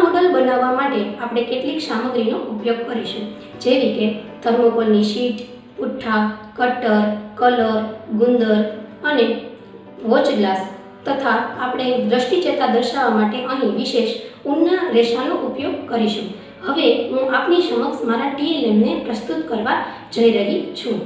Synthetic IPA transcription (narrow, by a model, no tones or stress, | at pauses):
məɡəlbənaʋːamaʈeapɽ̃ekeʈliksaməɡɾinoʔupjoɡ̚kəɾiʃũ | d͡ʒeɾit̪et̪ʰəɾməkolniʃiʈ | puʈʰːakəʈəɾkələɾɡund̪əɾəne | ʋot͡ʃɡlas | t̪ət̪ʰaːpɽ̃ed̪ɾəʃʈit͡ʃet̪ad̪əɾʃaʋamaʈeʔəɦĩʋiʃeʃunːaɾeʃanoʔupjoɡ̚kəɾiʃũ | həʋeɦũʔapniʃəməksmaɾaʈiilemnepɾəst̪ut̪kəɾʋa | d͡ʒəjɾəɦit͡ʃʰũ